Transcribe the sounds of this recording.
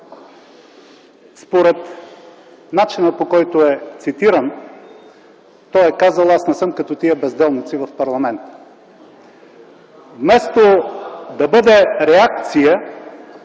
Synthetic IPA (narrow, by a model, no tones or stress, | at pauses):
spoɾɛt̪ | nat͡ʃinəpokɔjt̪oɛt̪sit̪iɾən | t̪ɔjɛkazəlˠasnɛsɤmkɐt̪ɔt̪iəbɛzd̪ɛlˠnit̪sivɐfpɐɾlˠɐmɛnt̪ə | vmɛst̪od̪ɐbɤd̪ɛɾɛak̚t̪sijə